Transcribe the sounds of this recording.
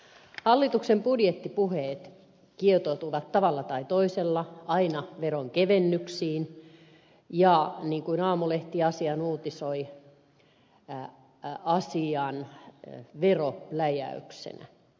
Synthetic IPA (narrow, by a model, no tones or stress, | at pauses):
hɑlːit̪uksembudjet̪ːipuheːt̪ | kiet̪oˑt̪uʋɑt̪tɑʋɑlːɑt̪ɑit̪oiselːɑɑinɑʋeɾoŋkeʋenːyksiːn | jɑniːŋkuinɑːmuleht̪iɑsiɑnuːt̪isoi | ɑsiɑn | ʋerolæjæ̰y̰ksḛnæ̰